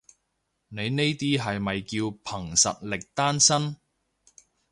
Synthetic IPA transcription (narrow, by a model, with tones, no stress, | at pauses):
ne˨˧jne˥jt̪iː˥ɦɐ˨jmɐ˨jkiː˧wpʰɐ˨˩ŋsɐ̰˨t̚lɪ˨k̚t̪aː˥nsɐ˥n